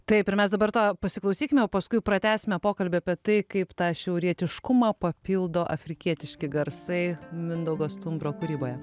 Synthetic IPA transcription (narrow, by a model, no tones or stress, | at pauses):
t̪ɐɪpɪɾmʲɛsd̪ɐbɐrt̪opɐsʲɪklˠɐʊsʲiːkʲɪmʲɛjɛʊpɐskʊɪpɾɐt̪ʲæːsʲɪmʲɛpoːkɐlʲbʲɪɐːpʲiɛt̪ɐɪkɐɪpt̪ɑːʃʲɛʊɾʲiɛt̪ʲɪʃkʊmɑːpɐpʲiːlˠd̪oːʔɐfʲɾʲɪkʲiɛt̪ʲɪʃʲkʲɪɡɐɾsɐɪmʲɪnd̪ɐʊɡoːst̪ʊmbɾoːkʊɾʲiːboːjɛ